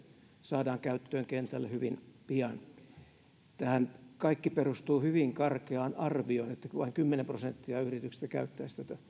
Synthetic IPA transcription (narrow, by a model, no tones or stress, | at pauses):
sɑːdɑːŋkæyt̪ːøːŋkent̪ælːæhyʋinpiɑn | t̪æhænkɑikːiperust̪uːhyʋiŋkɑrkeɑːnɑrʋioinet̪ːæʋɑiŋkymːenemprosent̪ːiɑyhrit̪ykse̥st̪ækæ̰yt̪ːæist̪æt̪æ